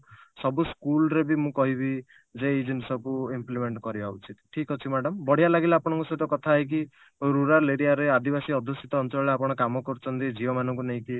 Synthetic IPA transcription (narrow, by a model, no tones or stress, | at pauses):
sɔbuskulɾebimũkɔɦibi | d͡ʒeːjd͡ʒinsɔkuimplimeɳʈkɔɾibaut͡ʃʰit̪ʈʰikɔt͡ʃʰimaɖɔmbɔɽ̤ijalaɡileapɔɽ̃ɔ̃ŋkusɔt̪ɔkɔt̪ʰaek̬i | ɾuɾaɾleɾijaɾead̪ibasiɔd̪ʱosit̪ɔːnt͡ʃɔɭɔeapɔɽ̃ɔkamɔkɔɾut͡ʃʰɔnt̪id͡ʒiɔmanɔ̃ŋkuneɦĩki